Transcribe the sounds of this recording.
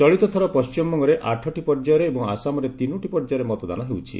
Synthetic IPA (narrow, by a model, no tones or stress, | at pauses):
t͡ʃɔɭit̪ɔt̪ʰɔɾɔpɔst͡ʃimɔŋɡɔɾeʔaʈʰɔʈipɔɾd͡ʒaɾeːbɔŋa̰samɔɾet̪inuʈipɔɾd͡ʒaɾemɔt̪ɔd̪a̰nɔɦewt͡ʃʰḭ